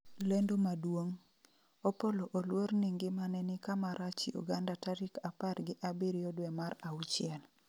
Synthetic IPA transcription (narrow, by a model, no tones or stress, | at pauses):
lendomadwoŋ | opoloʔolworniŋɡɪmanɛnɪkamaɾʔat͡ʃḭʔṵɡandataɾikaparɡɪʔabiɾjɔdwɛmaɾaut͡ʃɪɛl